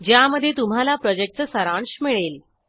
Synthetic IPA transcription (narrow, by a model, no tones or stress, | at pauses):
d͡ʑjaməd̪ʱːjet̪um̤alapɾɔd͡ʑek̚ʈt͡ssəɾãɳɕmiɭel